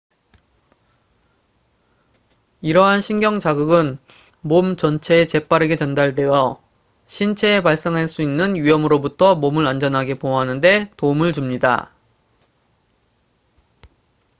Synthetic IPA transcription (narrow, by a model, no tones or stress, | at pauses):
iɾʌɦanɕʰinɡjʌŋt͡ɕaɡuɡɯn | momt͡ɕʌnt͡ɕʰe̞ːt͡ɕe̞p͈aɾe̞ɡe̞t͡ɕʌndaɭdejʌ | ɕʰint͡ɕʰe̞ːpaɭs͈eŋɦaɭs͈uinːɯnɥijʌmɯɾobutʰʌmomɯɾand͡ʑʌnɦaɡe̞poɦanɯnde̞toumɯɭt͡ɕumɲida̰